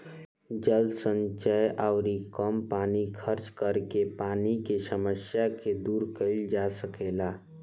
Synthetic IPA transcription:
d͡ʒəld̪sə̃nt͡ʃəjʔaʊɾikəmpaːnikʰəɾt͡ʃkəɾkepaːnikesəməsjaked̪uːɾkəɪld͡ʒasəkeːlaː

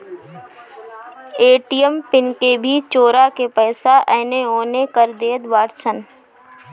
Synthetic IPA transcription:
eːʈijəmpɪnkebʱit͡ʃoːɾakepɛːsaʔɛːneɦoːnekəɾd̪eːd̪ʋaːɾsən

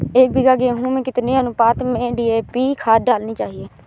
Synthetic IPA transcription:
eːk̚bɪɡaːɡeːɦũːmẽːkɪt̪nẽːãːnũːpaːt̪mẽːɖiːeːpiːkʰaːd̪aːlniːt͡ʃaːɦieː

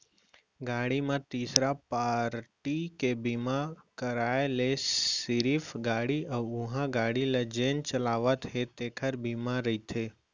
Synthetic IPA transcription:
ɡaɽimãt̪isɾapaɾʈikebimãkəɾaeleiɾifɡaɽiəũɦãɡaɽilad͡ʒent͡ʃəlaʋat̪ʰɦet̪ekʰəɾbimãɾəit̪ʰe

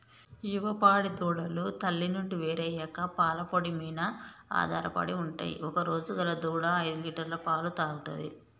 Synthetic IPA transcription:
juʋɐpaːɽid̪uːɽɐlut̪ɐlːinuɳɖiʋeːɾɐjɛkɐpaːlɐpoɽimijnɐa̰ːd̪ʱaːɾɐpɐ̰ɽiuɳʈa̰ːjḭɔkɐɾo̞ːd͡ʒuɡɐlɐd̪uːɽɐɐjd̪uliːʈɐɾlɐpaːlut̪aːɡut̪ɐ̰d̪ḭ

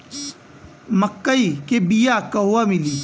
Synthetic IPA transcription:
məkːəiːkeːbijaːkɐɦuwaːmɪliː

